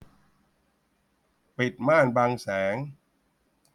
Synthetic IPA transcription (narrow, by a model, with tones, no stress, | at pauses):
pi˨˩t̪̚maː˥˩nbaː˧ŋsɛː˩˦ŋ